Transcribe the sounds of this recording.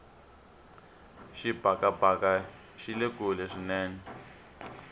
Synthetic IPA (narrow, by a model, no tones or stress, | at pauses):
ʃibʱakabʱaka | ʃilekulɛʂinɛːnɛ